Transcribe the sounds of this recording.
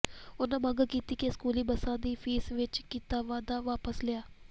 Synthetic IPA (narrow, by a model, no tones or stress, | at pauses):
ʊnãːmãːɡkiːt̪iːkeskuːliːbəsãːd̪iːpʰiːsʋɪt͡ʃkiːt̪aːʋaːd̪aːʋaːpəslɪjaː